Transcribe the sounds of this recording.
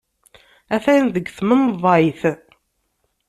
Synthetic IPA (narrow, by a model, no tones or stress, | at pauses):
æθæjnðəɡθmənðˤɑjθ